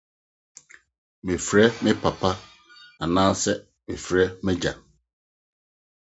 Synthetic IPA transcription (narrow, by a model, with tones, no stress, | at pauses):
mɪ̃˨fɾɛ˦mɪ̃˦pʰa˨pʰa˦ | a˨nãː˦sɛ˦ | mɪ̃˨fɾɛ˦mɪ̃˦d͡ʑa̰˨